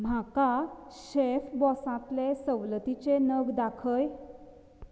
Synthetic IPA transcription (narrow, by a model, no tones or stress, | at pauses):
m̤akaɕefbɔsãt̪lesəwlət̪it͡senəɡd̪akʰəj